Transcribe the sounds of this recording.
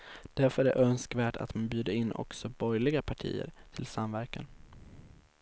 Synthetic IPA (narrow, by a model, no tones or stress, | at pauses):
d̪̥æɾfœɾɛ̰ʔœnskvæːʈa̰t̪manbjʉ̟ːd̪əɪnːʔɔ̰ksɔbɔjlɪɡapʰaʈʰḭːə̰ɾt̪ʰɪlsamvæɾkan